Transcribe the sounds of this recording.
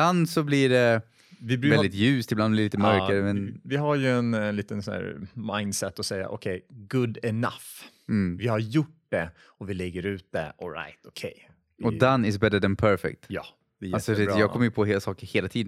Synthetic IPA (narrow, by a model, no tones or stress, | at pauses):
bland̪sɔblɪɖɛ | vɪbɾvɛld̪ɪt̪jʉ̟ːst̪ɪblanblɪɾliːt̪əmœɾkaɾəmɛnvɪɦaɾjɵɛnliːt̪ənsæ̰ːɾmaɪnd̪sɛt̪ːɔsɛjːa̰ʔɔ̰kʰɛjɡɵd̪ɛna̰f | m̩vɪhaɾjʊʈ̚d̪̥ɛ | ɔvɪlɛɡːəɾʉ̟ːt̪̚d̪ɛ̰ɔlɾa̰jt̪ɔkʰɛ̰j | ɔd̪anːɪs̬bɛd̪əd̪ɛnpʰœɾfɛ̰k̚t̪jɑ | d̪ɛjalsɔejɑːɡkʰɔmːəjəpʰɔheːlasɑːkəɾheːlat̪ʰiːd̪ə